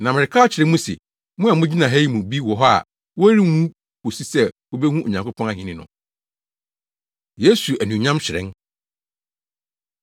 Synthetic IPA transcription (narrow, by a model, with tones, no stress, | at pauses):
nã˨mɪ̃˨ɪ˨kʰaː˦t͡ɕʰɪ˨ɾɛ̃˦mũ˦sɪ̰˨ | mʊ̃˦a˨mʊ̃˦d͡ʑi˦nã˨ɦæ˦ji˦mũ˨bi˦wɔ˨ɦɔ˦a̰˨ | wo˦æ˦ɾi˦hũ˦ | ko˨si˦sɛ˦˨wo˦bɛ˦hũ˦ʔo˨ɲã˨ŋkʰo˦pʰɔ̃˦ã˦hɪ̃˨nɪ̃˨nʊ̰̃˨ | je˦su˨æ˨nũ˨ɲã˦mt͡ɕʰɪ˨ɾɪ̰̃˦n